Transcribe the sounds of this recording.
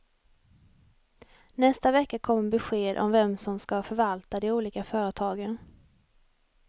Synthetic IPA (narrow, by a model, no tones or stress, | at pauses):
nɛst̪avɛkːakʰɔmːbɛɧeːd̪ʔɔ̰mvɛmsɔmskavɑːfœɾvalt̪ad̪ɛuːliːkafœːɾət̪ʰɑːɡən